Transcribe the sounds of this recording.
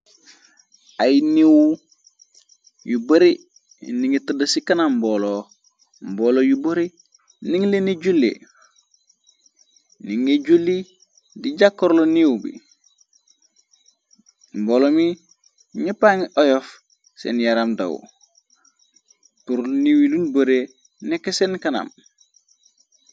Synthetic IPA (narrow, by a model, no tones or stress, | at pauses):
ajniwu | jubɐɾi | niŋetudasikanambolo | mboːlojuboɾi | niŋleneɟulːḛ | niŋeɟulːi | diɟakːoɾloniwbḭ | mbolomi | ɲipaŋiʔojof | sḛnjaɾamda̰w̰ | tuɾlniwilunboɾe | nekːesenkana̰m